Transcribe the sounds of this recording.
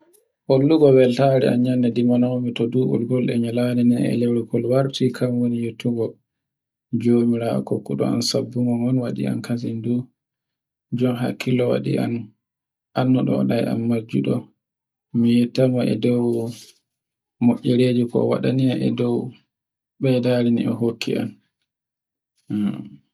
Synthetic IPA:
holːuɡɔwɛltaɾɛa̰nɲanːɛdimanamitɔduʔṵlɡɔlɗɛ̰ɲalanɛnɛnɛ̰lɛwɾukɔlwaɾtikʰamwonijutʰːuɡɔ | d͡ʒomiɾa̰kokːuɗɔ̰a̰nsabːuŋɔmɔnwaɗḭa̰nkʰasindu | d͡ʒɔmɦa̰kːilɔwa̰ɗḭʔa̰n | ʔanːɔɗɔ̰ɔɗajʔa̰nmad͡ʒṵɗɔ | mijɛtamaʔɛ̰dɔw | moʔːɛɾed͡ʒukɔ̰waɗaniaʔɛ̰dɔw | ɓɛdaɾinḭʔɛ̰ɦokːḭʔa̰n

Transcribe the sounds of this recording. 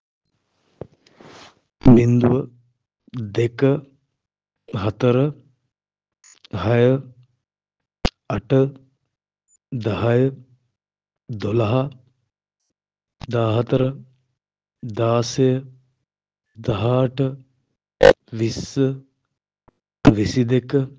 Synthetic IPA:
mind̪uʋə | d̪ekə | ɦɐt̪ɐɾə | hɐjə | ɐʈə | d̪ɐɦɐjə | d̪olɐɦɐ | d̪aːɦɐt̪ɐɾə | d̪aːsejə | d̪ɐɦaʈə | ʋisːə | ʋisid̪ekə

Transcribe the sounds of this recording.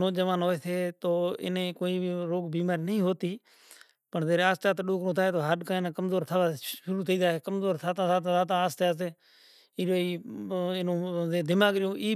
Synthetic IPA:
oːd͡ʒəʋaːnɦoːeːseːt̪oːɪ̰nẽːkoːiːɾoːɡbiːmaːɾiːnəɦĩːɦoːt̪iː | pəɳzeːɾaːst͡ʃaːt̪ːɗoːkɾõːt̪ʰaːeːt̪oːɦəɗkãːɪnãːkəmzoːɾt̪ʰəaːʃʊɾuːt̪ʰiːd̪aːɦeːkəmzoːɾt̪ʰaːt̪ãːt̪aːt̪ãt̪aːt̪ãːaːst̪eaːseː | ɪːoːiːɪnõːeːd̪ɪmaːɡɾɪjõːʔiː

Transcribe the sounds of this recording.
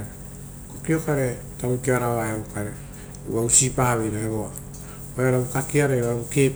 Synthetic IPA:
e | kokiokaɾe̞ | taujkiaɾaβaeukaɾḛ | ausipaβejɾaeβoa | oeaɾaɡukakiaɾejɾaɾauke̞

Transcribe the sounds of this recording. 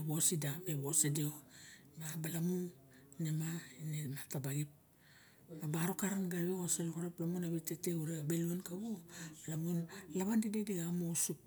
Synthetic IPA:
βosidameβosedeo | mabalamu | namainematabaɡip̚ | abaɾokaɾanɡaɾβeɡosalokoɾeplamunaβiteteuɾeabeluenkaβoalamunlaβandidediɡamousup̚

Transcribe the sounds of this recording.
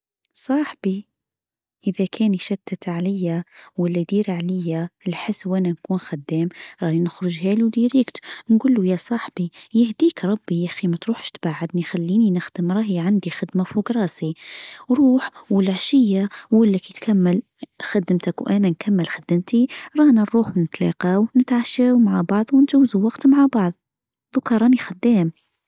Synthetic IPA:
sˤɑːħb̥i | ʔɪðakʰeːniʃat̪ːat̪ʕalɪjːawɪlːad̪iːɾʕalɪjːalħɪsːwʔanankuːnxad̪ːeːmɾˤɑːhinɪxɾʊʒheːlud̪iːɾiːkt̪nɡuːlːujasˤɑːħbijɪhd̪iːkɾˤɑbːiʔaximat̪ɾuːħʃt̪baːʕad̪nixalːiːninɪxd̪̥ɪmɾˤɑːɦjʕand̪ixɪd̪mafuːɡɾˤɑːsiɾˤuːħwəlʕaʃɪjːawɪlːækit̪kʰamːəl | xad̪əmt̪akwʔæːnænkʰamːəlxad̪əmt̪iɾˤɑːnaɾɾuːħnət̪lɑ̰qɑwnət̪ʕaʃaːwmaʕabɑʕðˤwnʒawːzuwɑqt̪maʕabɑʕðˤ | ðˤʊkɑɾˤɑnixad̪ːæːm

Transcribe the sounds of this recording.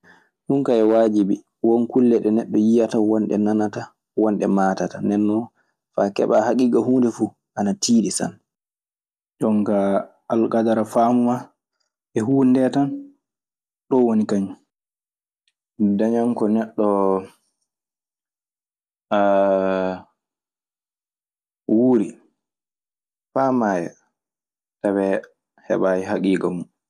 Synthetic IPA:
ɗunkaɛwaːd͡ʒibi | wɔnkulːɛɗɛnɛɗːɔjijatawɔnɗɛ̰nanata | wɔnɗɛmaːtatanɛnːɔ | fakɛ̰ɓahakiɡaɦuːndɛfu | ʔanatʰiːɗisa̰n | d͡ʒɔŋkaː | lkadaɾafaːmuma | ɛɦuːndɛtan | ɗɔwonikaɲu | daɲaŋkɔnɛɗːɔ | wuːɾi | faːmaːjɛ̰ | tabɛ | hɛ̰ɓajiɦakiːɡamu

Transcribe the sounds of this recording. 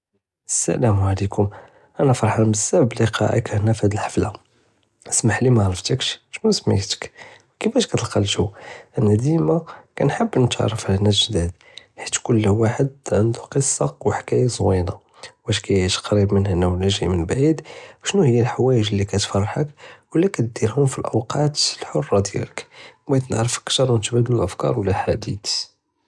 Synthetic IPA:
ʔəsːæ̰ʔlæmʕlikʰʊm | ʔænæfɑɾˤħɑnbəsːæbəbliqɑ̰ʔḭkæhənːæfhæd̪əlħḁfla | smaħlimæʕɾˤəft̪əkʃʃnusmḭħt̪ə̥k | kəfæʃkæt̪əlqɑlʒuʔənːæd̪imakænħəbːnt̪ʕɑ̰ɾˤːəfhænːæʒd̪æd̪̚ | ħit̪kʊlːwaħəd̪̚ʕənd̪uqəsˤːɑwħkæjæzˤwinɑ | bæʃkæjʕiʃqɑɾibmənhænæwəlːæʒḭmənbʕid̪ʃnuhəjːælħwæjəʒlːikæt̪fɑrˤːħəkwəlːækæt̪̚d̪iɾhʊmfilʔəwqɑt̪əlħorˤːɑd̪jæ̰ləkbæjt̪nəʕɾəfəkt̪ɑɾˤwnt̪bæd̪lulʔəfkɑ̰ɾˤwəlːælħad̪it̪

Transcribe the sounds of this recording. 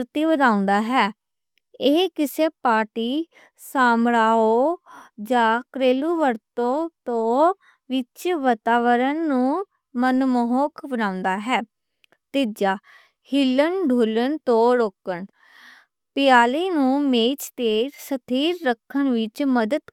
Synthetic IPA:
ɾt̪iːbəd̪ãːʊ̃nd̪aːɦɛː | ekɪseːpaːʈiː | saːmɾaːoːd͡ʒaːkɾeːluːʋəɾt̪õːt̪õː | ʋɪt͡ʃʋət̪aːʋəɾənːũː | mənmoɦoːkbənãːʊ̃nd̪aːɦɛː | t̪ɪd͡ʒaː | hɪlənɖʱuːlənt̪õːɾoːkəɳ | pɪjaːliːnũːmeːt͡ʃt̪eːɾsət̪ʰiːɾːəkʰːənʋɪt͡ʃməd̪əd̪

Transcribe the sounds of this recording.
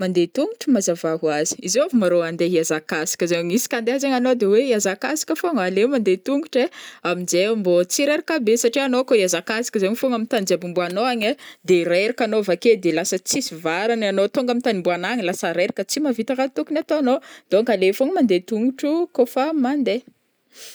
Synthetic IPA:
mand̪et̪uŋɡuʈ͡ʂəmazavaɦuazi̥izeavumaɾoand̪eɦiazakasi̥kʲəzeŋisi̥kand̪eɦazeŋanod̪eweiazakasi̥kʲəfoŋalemand̪et̪uŋɡuʈ͡ʂeamind͡ʒembot͡siɾeɾakabesaʈ͡ʂianokoiazakasi̥kʲəzeŋifoŋamint̪and͡zabumbuanoaɲed̪eɾeɾakanovaked̪elasət͡sisivaɾananot̪oŋɡamint̪animbuanaŋilasəɾeɾakʲət͡simavit̪akat̪ukunat̪oanod̪oŋkalefoŋəmand̪et̪uŋɡuʈ͡ʂukofamand̪e

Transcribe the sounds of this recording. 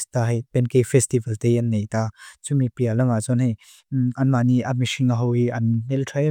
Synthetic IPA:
st̪aɦɐjpɛnkefɛst̪ivɐlt̪ejɐnːejt̪aːt͡sumipiɐlɐmat͡sɔnhij | ʔɐnmaniʔamiʃiŋaɦɔwiʔɐnnɛltʰɐj

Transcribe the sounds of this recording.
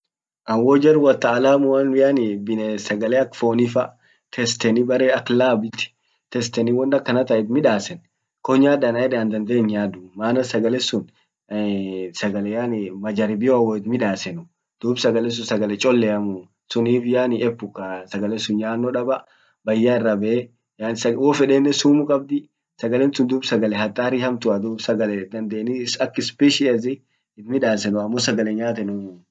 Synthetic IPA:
ʔɐwɔd͡ʒɐrwɐt̪ːɐːlaːmʊɐnjaːnɪbɪnɛsɐɡɐlɛɐkfoːnɪfɐ | t̪ʰɛst̪ɛnɪbɐɾeːɐkːlaːbɪt̪ɪ̥ | t̪ɛst̪ɛnɪwɔnːɐkːɐnɐt̪ɐʔɛt̪mɪᶑaːsɛn | kɔɲaːdɐnɐɛᶑɛɐnd̪ɐnd̪eːɲːaːd̪ʊmaːnɐsɐɡɐlɛsʊn | sɐɡɐlɛjaːnɪmɐd͡ʒɐɾɪbɪoɐwɔɪt̪mɪᶑaːsɛnʊ | d̪̥uːbsɐɡɐlɛs̬ʊnsɐɡɐlɛt͡ʃʼɔlːɛɐmʊ | sʊniːfjaːnɪɛpːʊkːɐsɐɡɐlɛsʊnjaːnːɔᶑɐbɐ | bɐjːaɪrːɐbɛe | jaːnsɐwɔːfɛᶑeːnːɛsuːmʊkʼɐb̚d̪ɪ | sɐɡɐlɛnsʊnd̪uːbsɐɡɐlɛɦɐt̪ʼːaːɾɪhɐmt̪ʊɐd̪uːbsɐɡɐlɛd̪ɐnd̪eːnɪsɐkːɪspiʃɪɐzɪ | ɪt̪mɪᶑaːsɛnʊɐmːos̬ɐɡɐlɛɲaːt̪̬ɛnʊ

